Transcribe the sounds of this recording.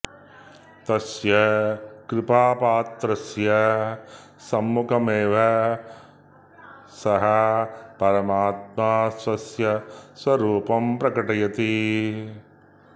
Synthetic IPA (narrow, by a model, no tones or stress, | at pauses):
t̪ɐsjɐkɾɪpaːpaːt̪ɾɐsjɐ | sɐmːukʰɐmeːʋɐ | sɐɦɐpɐɾɐmaːt̪̚maːsʋɐsjɐswɐɾuːpɐmpɾɐkɐʈɐjɐt̪i